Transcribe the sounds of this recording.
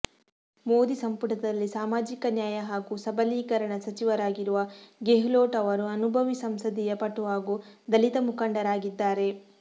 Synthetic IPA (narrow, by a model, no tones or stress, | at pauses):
moːd̪isɐmpuʈɐd̪ɐlːisaːmaːd͡ʒikɐnjaːjɐɦaːɡusɐbɐliːkɐɾɐɳɐsɐt͡ʃiʋɐɾaːɡiɾuʋɐɡeɦloːʈɐʋɐɾuɐnubʱɐʋisɐmsɐd̪ijɐpɐʈːuʋaːɡud̪ɐlit̪ɐmukɐɳɖɐɾaːɡid̪ːaːɾe̞